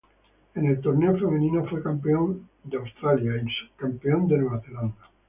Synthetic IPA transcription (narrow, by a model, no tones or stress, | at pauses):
enelt̪oɾneofemẽnĩnofwekampeõnd̪eawst̪ɾaljaekskampeond̪enweβaθeland̪a